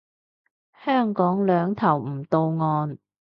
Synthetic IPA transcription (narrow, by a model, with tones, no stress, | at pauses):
hœː˥˩ŋkɔː˨˥ŋlœː˨˧ŋt̪ʰɐ˨˩wm̩˨˩t̪o˧wŋɔː˧n